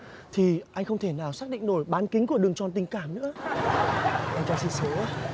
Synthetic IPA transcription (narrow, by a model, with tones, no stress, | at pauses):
t̪ʰi˨˩ʔa˧jŋ̟xə˧wŋ͡mt̪ʰe˧˩naː˨˩wsaː˦˥k̚ɗḭ˧˨ŋ̟no˧˩jɓaː˨˦nki˨˦ŋ̟ku˧˩əɗɨ˨˩əŋt͡ɕɔ˨˧˩nt̪ï˨˩ŋ̟kaː˧˩mnɨ̰˧˥ə | ʔɛ˧mt͡ɕɔ˧˩si˧nsə˨˦